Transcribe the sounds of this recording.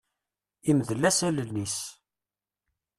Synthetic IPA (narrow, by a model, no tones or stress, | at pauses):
imðəlːæsælənis